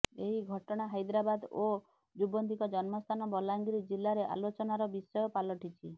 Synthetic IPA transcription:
eɦiɡʱɔʈɔɽ̃aɦajd̪ɾabad̪o | d͡ʒubɔnd̪ikɔd͡ʒɔnmɔst̪ʰanɔbɔlaŋɡɾid͡ʒilːaɾeʔa̰lot͡ʃɔnaɾɔbisɔjɔpalɔʈit͡ʃʰi

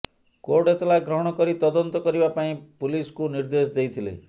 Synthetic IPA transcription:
koɾɖet̪laɡɾɔɦɔɽ̃ɔkɔɾit̪ɔd̪ɔnt̪ɔkɔɾibapaĩpuliskuniɾd̪esd̪ejt̪ʰilḛ

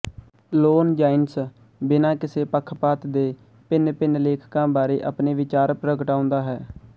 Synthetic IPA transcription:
loːnd͡ʒaːɪns | bɪnãːkɪseːpəkʰːpaːt̪d̪eː | pɪnpɪnleːkʰkãːbaːɾeːʔa̰ːpneːʋɪt͡ʃaːɾpɾəɡʈaːʊ̃nd̪aːɦɛː

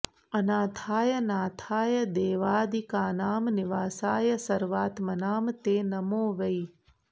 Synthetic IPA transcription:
ɐnaːt̪ʰaːjɐnaːt̪ʰaːjɐd̪eːʋaːd̪ikaːnaːmniʋaːsaːjɐsɐɾʋaːt̪mɐnaːmt̪eːnɐmoːʋɐi

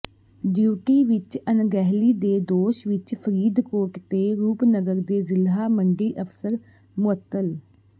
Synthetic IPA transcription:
ɖuːʈiːʋɪt͡ʃənɡɛːɦliːd̪eːd̪oːʃʋɪt͡ʃpʰəɾiːd̪koːʈt̪eːɾuːpnəɡəɾd̪eːzɪlaːməŋɡiːʔəpsəɾ | mʊət̪ːəl

